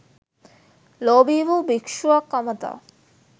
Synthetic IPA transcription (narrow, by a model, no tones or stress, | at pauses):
lobibʱubikʃuakɐmət̪a̰